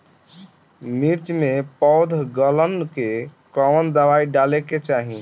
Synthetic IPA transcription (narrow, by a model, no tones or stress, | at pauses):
miɾt͡ʃmepɔwd̪ʱɡələnkekəwənd̪əwaiɖaleket͡ʃaɦi